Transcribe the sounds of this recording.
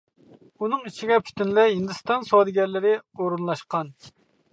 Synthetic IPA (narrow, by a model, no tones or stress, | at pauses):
unɨŋit͡ʃʰiɡʲɛpʰy̥t̪ynlɛɦind̪ɨst̪ɑnsoɑd̪ɨɡʲɛɾlɪɾɪoɾunlˠɑʃqɑn